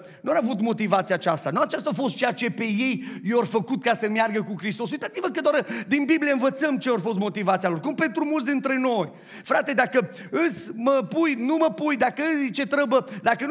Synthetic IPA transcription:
nuɾavut̪mo̞t̪ivat̪siaːt͡ʃast̪anuat͡ʃas̬t̪aafo̞st̪̚t͡ʃejat͡ʃe̞pe̞je̞jjorfəkut̪kasəmjarɡəkukɾist̪o̞s̬ujt̪at̪sivəkəd̪oard̪inbiblieɨnvət̪səmt͡ʃeorfo̞s̬t̪mo̞t̪ivat̪sialo̞rkumpe̞nt̪ɾumult̪sd̪int̪ɾe̞no̞j | fɾat̪e̞d̪akə | ɨsməpujnuməpujd̪akəɨzt͡ʃe̞t̪ɾəbəd̪akən

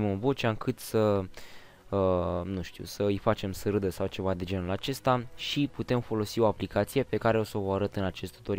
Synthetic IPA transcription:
mɨnvo̞t͡ʃaɨŋkɨt̪sə | ənuʃt̪ḭwsəɨjfat͡ʃe̞msɨɾɨd̪əsawt͡ʃe̞vad̪e̞d͡ʒe̞nulat͡ʃe̞st̪aʃiput̪e̞mfo̞lo̞sio̞aplikat̪sije̞pe̞kaɾe̞o̞so̞voaɾət̪ɨnat͡ʃe̞st̪u̥t̪o̞ɾ

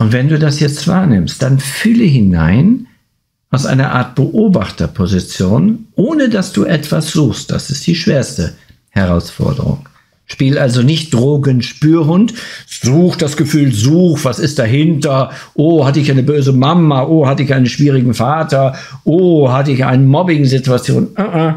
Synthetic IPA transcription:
ʔʊntv̥ɛnduːdasjɛt͡stv̥a̰ːɐnɪmstd̥anfʏləɦɪna̰ɪn | ʔaʊsʔa̰ɪnɐʔa̰ːɐt̚b̥əʔoːbaχtɐpʰozit͡sjoːnʔoːnədasd̥uːʔɛtv̥asz̥uːxst̚d̥a̰sɪst̚d̥iːʃv̥eːɐstə | hɛʁ̞aʊsfɔ̰ɐdə̰ʁʊ̰ŋ | ʃpiːlʔalzonɪçt̚d̥ʁoːɡənʃpyːɐɦʊntz̥uːxd̥asɡ̥əfyːlzuːxv̥asɪst̚d̥aɦɪntɐʔoːhatəɪçaɪnəbøːzəmamaʔoːhatəɪçaɪnənʃv̥iːʁɪɡŋ̩faːtɐ | ʔoːɦatəɪça̰ɪnənmɔbɪŋzɪtuat͡sjo̰ːnʔəʔa

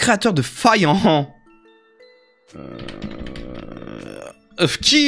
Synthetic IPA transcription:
kχeat̪œʁd̪əfajɑ̃ | əfkʲi

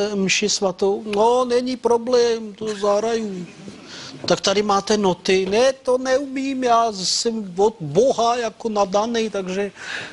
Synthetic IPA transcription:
mʃɪsʋat̪ownonɛɲipɾoblɛːmt̪ozaɦɾaju | t̪ak̚t̪adɪmaːt̪ɛnot̪ɪnɛt̪onɛumiːmjaːsɛmvod̪̚boɦajakonadanɛjt̪aɡʒɛ

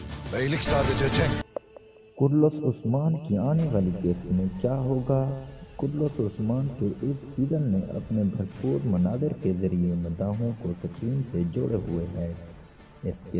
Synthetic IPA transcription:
ɐilɪksaːd̪ɐt͡ʃet͡ʃẽ | kʊɖlʊsʊsmaːnkiaːneʋaːlikeːsmẽkjaːɦoːɡaːkʊɖlʊsʊsmaːnkeʔɪssiːzənmḛ̃ʔɐ̰pnebʱɐɾpuːɾmɐnaːd̪ɪɾkezɐɾiemɐd̪aːɦõkot̪ɐkiːmsed͡ʒoːɽeɦʊeɦɛː | ɪske

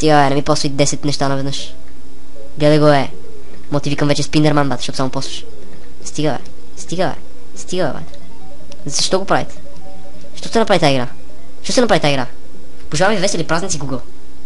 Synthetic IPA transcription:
st̪iɡəvɛnɛmipɔsid̪ɛsɛt̪nɛʃt̪anɐvɛd̪nɤʃ | ɡ̪ɛlɛɡɔɛ | mɔt̪ivikəmvɛt͡ʃɛspind̪ɛɾmanbat̪ʃɔt̪samopɔsvə̥ʃ | st̪iɡəvɛ̰ | st̪iɡəvɛ̰ | st̪iɡəvɛ̰vɛ̰t̪ɛ̥ | zzɐʃt̪ɔɡopɾavḭt̪ | ʃt̪ɔst̪ɛnɐpɾavit̪aiɡɾa | ʃt̪ɔsɛnɐpɾavit̪aiɡɾa | poʒivamvivɛsilipɾaznʲnt̪siɡuɡəlˠ

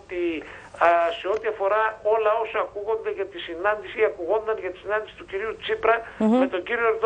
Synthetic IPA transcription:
t̪i | seo̞t̪iɐfo̞ɾɐo̞lɐo̞sɐːkuɣo̞nd̪eʝɐt̪isinɐnd̪isiɐkuɣo̞nd̪ɐnʝɐt̪i̥sinɐnd̪isi̥t̪uciɾiut͡sipɾɐme̞t̪o̞ɟiɾioeɾð

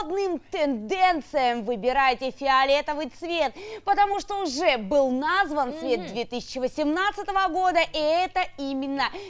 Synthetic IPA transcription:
d̪nɨmt̪ɛnd̪ɛnt̪sɨjəmvɨbʲɪɾajtʲɪfʲɪɐlʲet̪əvɨt̪svʲe̞t̪pət̪ɐmuʂt̪oʊʐɛbɨlˠnazvənsvʲe̞t̪̚d̪vʲet̪ɨsʲɪ̥t͡ɕːɪvəsʲɪmnat̪sɨt̪əvəɡo̞d̪əʔiɛt̪əimʲɪnːə

